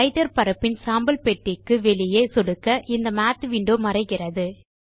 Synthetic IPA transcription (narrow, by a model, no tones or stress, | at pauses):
ɪʈɐɾpɐɾɐpːɪnsaːmbɐlpeʈːɪkːɯʋɛɭɪjeːsɔɽɯkːɐʔɪnd̪ɐmaːt̪ʋiːɳɖoːmɐrɐɪɣɪrɐðɯ